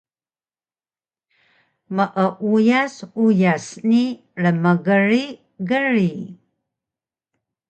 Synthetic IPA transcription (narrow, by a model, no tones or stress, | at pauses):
məʔəʔujasujasni | ɻəməɣəri | ɣəri